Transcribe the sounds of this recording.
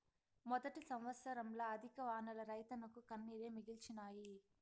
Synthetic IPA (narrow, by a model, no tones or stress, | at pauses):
mɔd̪ɐʈisɐmʋɐt̪sɐɾɐmlɐːɐd̪ʱikɐʋaːnɐlɐɾɐjt̪ɐnɐkukɐnːiːɾeːmiɡilt͡ʃinaːji